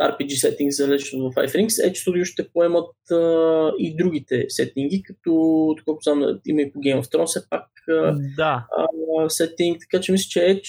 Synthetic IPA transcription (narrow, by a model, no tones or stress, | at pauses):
a̰ɾpid͡ʒisɛt̪iŋɡzɐlɛt͡ʃɛnovɐfa̰jfɾiŋksɛ̰t͡ʃsod̪juʃt̪ɛpoɛmət̪əid̪ɾuɡ̟it̪ɛsɛt̪iŋɡ̟ikɐt̪ɔt̪ɐkot̪zam̰ḭmɐipoɡʲɛɪmɐft̪ɾɔnfsɛp̚ak | əd̪aəsɛt̪iŋk̚t̪ɐ̥kat͡ʃɛmislɛ̥t͡ʃɛɛt͡ʃ